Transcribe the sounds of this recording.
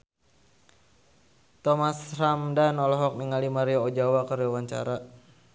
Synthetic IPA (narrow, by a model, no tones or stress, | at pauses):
t̪ɔmasramdanɔlɔɦɔk̚niŋalimaɾiɔod͡ʒawakaɾiwaɲt͡ʃa̰ɾa